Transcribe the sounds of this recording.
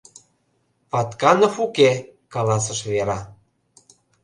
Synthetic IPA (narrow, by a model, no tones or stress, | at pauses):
pɑt̪kɑnɤ̆fukekɑlɑs̬ə̆ʃβeɾɑ